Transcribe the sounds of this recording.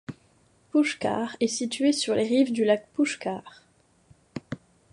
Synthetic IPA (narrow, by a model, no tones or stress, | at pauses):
puʃka̰ʁɛsit̪ɥesyʁlʔeʁivd̪ylak̚puʃkaːʁ